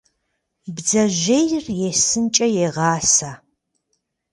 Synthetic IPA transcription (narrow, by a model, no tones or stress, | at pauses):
bzɐʒʷejrjesɨnt͡ʃʼɐjeʁɑːsaː